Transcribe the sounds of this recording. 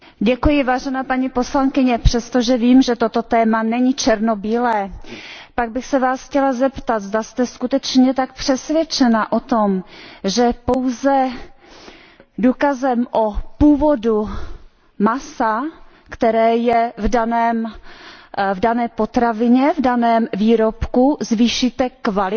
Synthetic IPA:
ɟɛkujɪvaːʒɛnaːpaɲiposlaŋkɪɲɛpr̝̥ɛst̪oʒɛviːmʒɛt̪o̞t̪o̞t̪ɛːmanɛɲit͡ʃɛɾnobiːlɛːpaɡ̚bɪxsɛvaːsxcɛlazɛpt̪at̪zd̪ast̪ɛskut̪ɛt͡ʃɲɛt̪ak̚pr̥ɛsvjɛt͡ʃɛnaʔot̪o̞mʒɛpo̞wzɛ | duːkazɛmʔopuːvo̞du | masa | kt̪ɛɾɛːjɛvdanɛːm | vdanɛːpo̞t̪ɾavɪɲɛvdanɛːmviːɾopkuzviːʃit̪ɛkvalɪ

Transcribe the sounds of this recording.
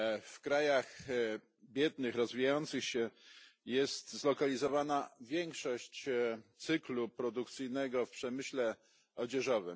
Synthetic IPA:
fkɾajax | bʲjɛd̪nɘxɾɔzvʲijajɔnt̪sɘxɕɛjɛst̪zlɔkalʲizɔvanavʲjɛŋkʂɔɕt͡ɕt̪sɘklupɾɔd̪ukt̪sɘjnɛɡɔfpʂɛmɘɕlɛ | ɔd͡ʑɛʐɔvɘ̰m

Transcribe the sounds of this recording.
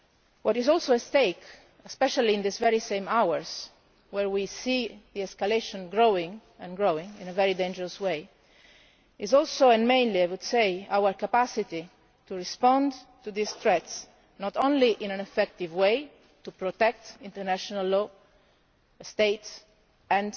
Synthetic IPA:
wɔɾɪzɔlˠsoəst̪eɪk | ɛspɛʃalĩːnd̪isvɛɾisẽjmawəɹz | wɛɹwisiðiɛskaleʃɔ̃nɡɹoʊɪ̃ŋɛ̃nɡɹoɪ̃ŋɪ̰̃nəvɛɾidẽnd͡ʒəɹəsweɪ | ɪzɔlsoɛ̃nmẽj̃nliaɪjwud̪sejawəɹkapasit̪i | t̪uɹispɔ̃ndt̪uðist̪ɹɛt̪s | nɔt̪õnliʔɪ̃næ̃nɛfɛk̚t̪ivweɪ | t̪upɾɔt̪ɛk̚t̪ɪ̃nt̪əɾnæʃɔnalːɔ | st̪eɪts | ɛ̃n

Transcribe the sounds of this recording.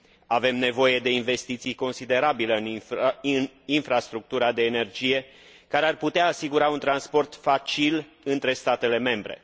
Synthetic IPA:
ave̞mne̞vo̞je̞d̪e̞inve̞st̪it̪sijko̞nsid̪e̞ɾabileɨn | ninfɾast̪ɾuk̚t̪uɾad̪e̞ːne̞rd͡ʒije̞ | kaɾearput̪eaːsiɡuɾaunt̪ɾanspo̞rt̪fat͡ʃil | ɨnt̪ɾe̞st̪at̪e̞le̞me̞mbɾe̞̰

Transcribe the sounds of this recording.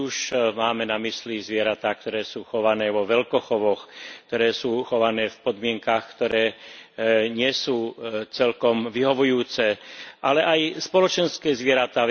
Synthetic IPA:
uʃmaːmɛnamislizʋɪɛɾat̪aːkt̪ɔɾɛːsuːxɔʋanɛːʋɔʋɛlkɔxɔʋɔxk̚t̪ɔɾɛːsuːxɔʋanɛːfpɔd̪mɪɛŋkaxkt̪ɔɾɛː | ɲɪɛsuːt͡sɛlkɔmʋiɦɔʋujuːt͡sɛʔalɛʔajspɔlɔt͡ʃɛnskɛːzʋɪɛɾat̪aːʋ

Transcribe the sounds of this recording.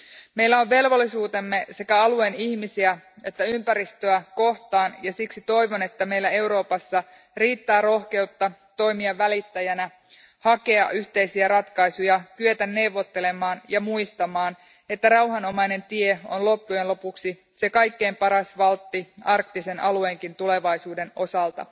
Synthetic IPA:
me̞jlːæo̞ʋʋe̞lʋo̞lːisuːt̪e̞mːe̞se̞kæɑlue̞niçmisiæ | e̞t̪ːæympæɾist̪øæko̞ht̪ɑːnjɑsiksit̪o̞jʋo̞ne̞t̪ːæme̞jlːæe̞wɾo̞ːpɑsːɑ | riːt̪ːæːɾo̞hke̞ut̪ːɑt̪o̞jmiɑːælit̪ːæjænæ | hɑke̞ɑ̰ʔyht̪e̞isiæɾɑt̪kɑisujɑkyøt̪ænːe̞uwʋːot̪ːele̞mɑːnjɑmuist̪ɑmɑːn | et̪ːærɑuɦɑno̞mɑjne̞nt̪ieo̰nlo̞pːuje̞nlo̞puksi | se̞kɑjkːe̞ːmpɑɾɑsʋɑlt̪ːiɑrk̚t̪ise̞nʔɑlueŋkint̪ule̞ʋɑjsuːde̞no̞sɑlt̪ɑ̰

